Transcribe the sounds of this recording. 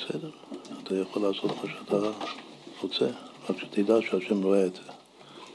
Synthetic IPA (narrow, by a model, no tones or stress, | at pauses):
besḛdeʁat̪ʰajaχolːaːso̞t̪maʃeat̪ʰa | ʁot͡seʁakʃe̥t̪ʰid̪aʃeaʃemʁoeːdze